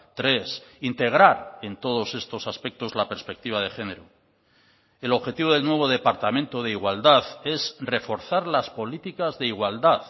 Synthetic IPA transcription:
t̪ɾe̞sint̪e̞ɣ̞ɾaɾe̞nt̪o̞ð̞o̞se̞st̪o̞saspe̞k̚t̪o̞zlape̞ɾspe̞k̚t̪iβað̞e̞xe̞ne̞ɾo | elo̞βxe̞t̪iβoð̞elnwe̞β̞o̞ð̞e̞paɾt̪amẽ̞nt̪oð̞eiɣwald̪aθe̞sre̞fo̞ɾθaɾlaspo̞lit̪ikazðe̞iɣwald̪aθ

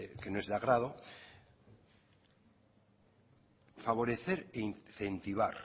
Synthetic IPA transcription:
kenoe̞zðaɣ̞ɾaðo | faβ̞o̞ɾeθeɾeinθe̞nt̪iβ̞a̰ɾ

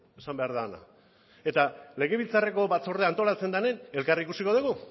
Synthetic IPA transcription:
esambe̞aɾðaona̰ | e̞t̪ale̞ɣe̞βilt͡sare̞ko̞βat͡so̞ɾðeant̪o̞lat͡se̞nd̪ane̞ne̞lkarikusiko̞ð̞uɣ̞u

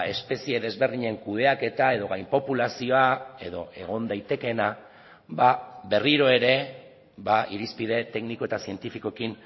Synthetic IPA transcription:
e̞spe̞sieðe̞zβe̞ɾðiɲe̞ŋkuð̞e̞ake̞t̪ae̞ð̞o̞ɣajmpo̞pulasio̞ae̞ðo̞ʔe̞ɣ̞o̞nd̪ajt̪e̞ke̞na | babe̞riɾo̞e̞ɾe̞ | βaʔiɾispiðe̞t̪e̞knikoe̞t̪asie̞nt̪ifiko̞kin

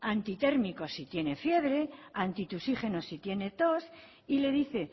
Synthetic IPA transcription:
ant̪it̪e̞ɾmiko̞sit̪je̞ne̞fje̞βɾe̞ant̪it̪usiχe̞nosit̪je̞ne̞t̪o̞s | ile̞ð̞iθe̞

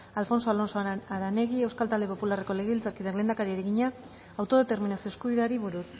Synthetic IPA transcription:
alfo̞nso̞alo̞nsoaɾane̞ɣie̞wskalt̪ald̪epo̞pulare̞ko̞leɣβilt͡saɾkiðele̞ːnd̪akaɾieɾeɣiɲa | awt̪o̞ðe̞t̪e̞ɾminasioskuβiðeaɾiβuɾuð

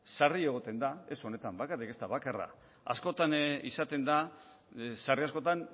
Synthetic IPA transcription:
sarie̞ɣ̞o̞t̪e̞nd̪ae̞so̞ne̞t̪ambakarike̞st̪aβakara̰ | a̰sko̞t̪anisat̪e̞nd̪a | sariasko̞t̪an

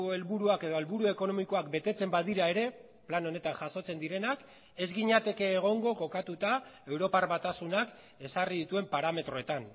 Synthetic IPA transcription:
oe̞lβuɾuake̞ð̞oe̞lβuɾue̞ko̞no̞miko̞akbe̞t̪e̞t͡se̞mbað̞iɾae̞ɾe̞ | plano̞ne̞t̪aŋxʝaso̞t͡se̞nd̪iɾe̞nak | e̞zɣiɲat̪e̞ke̞ːɣ̞o̞ŋɡo̞ko̞kat̪ut̪ae̞wɾo̞parβat̪asunak | e̞sarið̞it̪ue̞mpaɾame̞t̪ɾo̞e̞t̪an

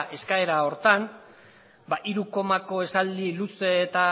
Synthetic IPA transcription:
ʔe̞skae̞ɾao̞ɾt̪an | baʔiɾuko̞mako̞e̞sald̪iluseːt̪a

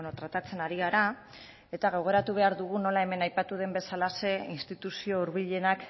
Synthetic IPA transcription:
not̪ɾat̪at͡se̞naɾiɣaɾa | e̞t̪aɣ̞o̞ɣ̞o̞ɾat̪uβ̞e̞aɾðuɣ̞uno̞lae̞me̞najpat̪uðe̞mbe̞salase̞inst̪it̪usio̞uɾβiʎe̞nak

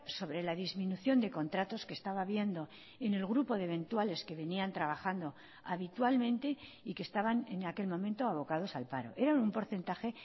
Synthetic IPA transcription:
so̞βɾe̞laðizmĩnuθjo̞nd̪e̞ko̞nt̪ɾat̪o̞ske̞ːst̪aβaβje̞nd̪o̞ | ene̞lɣɾupo̞ðeβe̞nt̪wale̞ske̞βe̞niant̪ɾaβaxand̪o̞ | aβit̪walmẽ̞nt̪e̞ | ike̞st̪aβane̞nake̞lmõ̞mẽ̞nt̪o̞aβ̞o̞kað̞o̞salpaɾo̞̰ʔe̞ɾaumpo̞ɾθe̞nt̪axe̞

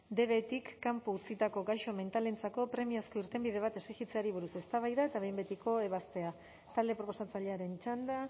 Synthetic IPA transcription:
d̪e̞βe̞t̪ikːampuːt͡sit̪ako̞ɡajʃo̞me̞nt̪alent͡sako̞pɾe̞miasko̞iɾt̪e̞mbiðe̞β̞at̪e̞sixit͡se̞aɾiβ̞uɾuse̞st̪aβ̞ajðaet̪aβe̞jmbe̞t̪iko̞e̞β̞ast̪e̞a | t̪ald̪e̞pɾo̞po̞sat͡saʎe̞aɾe̞nt͡ʃand̪a

